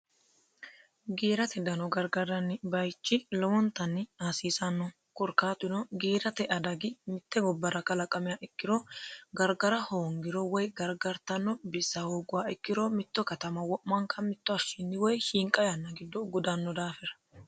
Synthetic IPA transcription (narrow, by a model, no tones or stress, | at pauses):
ɡiːɾɐt̪ɛd̪ɐnɔɡɐɾɡɐɾɐnːɪbɐjt͡ʃːɪlɔwɔnt̪ɐnːɪaːsiːsɐnːɔ | kʊɾkaːt̪ʊnɔɡiːɾɐt̪ɛʔɐd̪ɐɡɪmɪt̪ːɛɡɔbːɐɾɐkʼɐlɐkʼɐmɛjaːʔɪkːɪɾɔɡɐɾɡɐɾɐhoːŋɡɪɾɔwɔjɡɐɾɡɐɾt̪ɐnːɔbɪsːɐhoːɡʊwaːɪkːɪɾɔmɪt̪ːɔkɐt̪ɐmɐwɔʔmɐŋkɐmɪt̪ːɔɐʃɪnːɪwɔjhiːŋkʼɐjɐnːɐɡɪd̪ːɔɡɔd̪ɐnːɔd̪aːfɛɾɐ̥